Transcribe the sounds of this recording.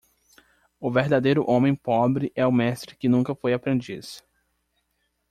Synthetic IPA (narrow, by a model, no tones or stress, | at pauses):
ʊveɾd̪ad̪ejɾʊʔõmẽj̃pɔbɾɪʔɛʊmɛst̪ɾɪkɪnũkɐfojapɾẽnd͡ʒis